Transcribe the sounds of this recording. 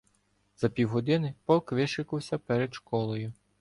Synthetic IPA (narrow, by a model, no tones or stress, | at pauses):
z̥ɐpʲiwɦɔd̪ɪnɪpɔkʋɪʃɪkʊwsʲɐpɛɾɛd̪ʃkɔlˠɔjʊ